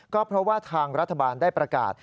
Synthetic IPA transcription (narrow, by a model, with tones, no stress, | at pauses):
kɔː˥˩pʰɾɔ˦˥waː˥˩t̪ʰaː˧ŋɾa˦˥t̪ʰːa˧baː˧ndaː˥˩jpɾa˧ka̰ː˨˩t̪̚